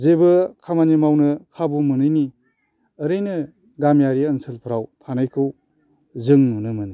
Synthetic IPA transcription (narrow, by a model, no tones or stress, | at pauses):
zebɯkʰamanimawnɯkʰabumɯnɯjni | əɾɯjnɯ | ɡamjaɾiɐnsɯlpʰəɾawtʰanajkʰɯw | zɯŋnunɯmɯnɯ